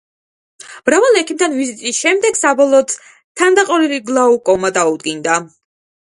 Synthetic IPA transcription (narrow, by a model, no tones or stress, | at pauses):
mɾavalˠɛkʰimt̪ʰanvizit̪ʼisʃɛmd̪ɛɡ̥sabɔlˠɔːt̪ | t̪ʰːand̪aqʼɔliliɡlˠaukʼɔmad̪aud̪̚ɡind̪a